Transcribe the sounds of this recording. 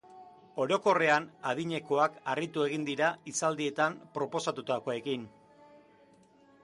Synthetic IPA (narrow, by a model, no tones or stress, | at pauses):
o̞ɾo̞ko̞re̞anaðiɲe̞ko̞akarit̪ue̞ɣind̪iɾaisald̪ie̞t̪ampɾo̞po̞sat̪ut̪akoekin